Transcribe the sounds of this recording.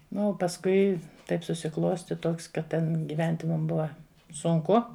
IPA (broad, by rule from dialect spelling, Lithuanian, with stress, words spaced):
ˈnʊ oː pɐsˈkʊɪ ˈtɐɪp sʊsʲɪˈklˠoːsʲtʲɪ ˈtoːks kɐt ˈtʲɛn ɡʲɪˈʋʲɛnʲtʲɪ mʊm ˈbʊʋɐ sʊŋˈkʊ